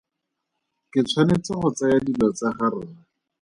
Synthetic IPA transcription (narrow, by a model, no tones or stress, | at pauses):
kɪt͡sʰwanet͡sɪχʊt͡sajadilɔt͡saχaɾʊːa